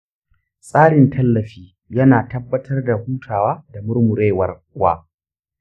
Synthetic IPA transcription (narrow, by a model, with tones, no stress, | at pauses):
sʼaː˦ɽɪ˨ntʰɐ˦lːɐ˨ɸiː˦ | jɐ˦naː˨tɐ˦bːɐ˦tʰɐ˦rda˨huː˦tʰaː˨waː˦da˨mʊ˦rmʊ˨ɾeː˦˨wɐ˨rwa̰ː˦